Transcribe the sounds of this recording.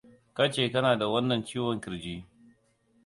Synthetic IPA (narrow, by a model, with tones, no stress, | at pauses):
ka˦t͡ʃeː˨kɐ˦naː˨da˨wɐ˦nːɐ˨ɲt͡ʃiː˦wɐ˨ŋkʲɪ˨ɾd͡ʒiː˦